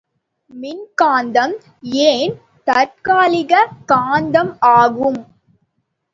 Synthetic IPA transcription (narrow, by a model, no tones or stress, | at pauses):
mɪnkaːnd̪ɐm | eːn | t̪ɐɾkaːlɪɣɐkaːnd̪ɐmaːɣɯm